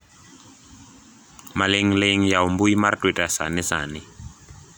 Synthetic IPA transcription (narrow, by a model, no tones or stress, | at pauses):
maleŋleŋ̩jaumbuimartʼwitʼasa̰nɪsa̰ːnɪ